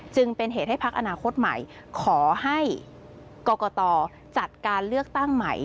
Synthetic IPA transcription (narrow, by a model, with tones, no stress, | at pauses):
t͡ɕɯ˧ŋpe˧nɦeː˨˩t̪̚ha˥˩jpʰa˦˥k̚ʔa˧naː˧kʰo˦˥t̪̚ma̰˨˩˦j | kʰɔː˩˦ha˥˩j | kɔː˧kɔː˧t̪ɔː˧ | t͡ɕa˨˩t̪̚kaː˧nlɯ˥˩ək̚t̪a˥˩ŋma̰˨˩j